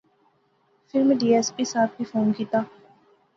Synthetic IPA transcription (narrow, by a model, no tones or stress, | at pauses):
fɪlmẽɖiːɛːskisaːp̪̚ʰbifoːnkiːt̪aː